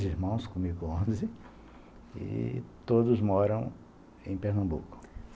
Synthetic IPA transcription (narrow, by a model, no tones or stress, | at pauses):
ziɾmɐ̃w̃skõmikõzɪ | ɪ̰t̪od̪ʊzmɔɾɐ̃w̃ | ẽj̃peɾnɐ̃mbṵkʊ̥